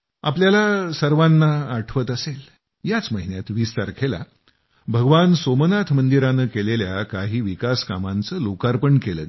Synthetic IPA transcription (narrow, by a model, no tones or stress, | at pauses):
a̰p̬ljalasəɾʋanːaːʈʰʋət̪əsel | jat͡sməɦinjat̪ʋiːst̪aɾkʰela̰ | bʱəɡʋansomənat̪ʰmənd̪iɾanəkeleljakaɦiːʋikaskamãnt͡səlokaɾpəɳkelə̰